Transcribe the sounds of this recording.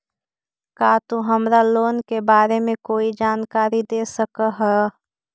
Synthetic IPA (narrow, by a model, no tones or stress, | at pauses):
kaːt̪oɦəmɾaloːnkebaːɾemẽkoːid͡ʒaːnkaːɾid̪eːsəkəɦɛ